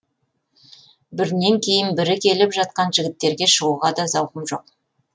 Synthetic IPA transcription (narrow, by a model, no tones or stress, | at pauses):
bɪɾne̞ŋkʲʰe̞jɪnbɪɾɪkʲʰe̞lɪpʒɑt̪̚qɑnʒɪɡʲɪt̪ːe̞ɾɡʲe̞ʃəʁuʁɑd̪ɑzɑwqəmʒo̞q̚